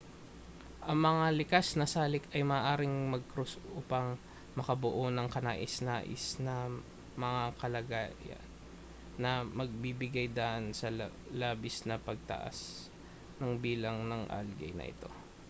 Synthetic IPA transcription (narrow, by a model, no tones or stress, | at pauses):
ʔɐŋmɐŋalɪkasnɐsaːlɪkɐjmɐːʔaːɾɪŋmɐɡ̚kɾusuːpɐŋ | mɐkɐbʊʔo̞nɐŋkɐna̰ːʔɪsnaːʔɪ̰snɐ | mɐŋakɐlɐɡaːjɐ̰nː | ɐmɐɡ̚bibɪɡajd̪aʔɐnsɐ | laːbɪsnɐpɐɡ̚t̪ɐ̰ʔa̰s | nɐŋbiːlɐŋnɐŋʔa̰lɡɐ̰jnɐ̰ʔɪ̰t̪o̞̰